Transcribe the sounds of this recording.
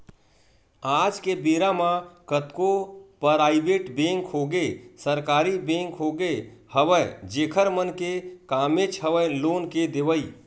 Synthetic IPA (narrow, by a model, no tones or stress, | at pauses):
ad͡ʒkebeɾamãkət̪kopəɾaːɪbeʈbẽŋkɦoɡesəɾkaːɾibẽŋkɦoɡehəʋəd͡ʒekʰəɾmənkekamet͡ʃɦəʋəjlonked̪eʋəi